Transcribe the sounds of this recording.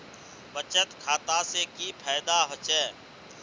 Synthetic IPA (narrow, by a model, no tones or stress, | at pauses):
bət͡ʃət̪kʰaːt̪aːseːkiːpʰɛːd̪aːɦot͡ʃɛː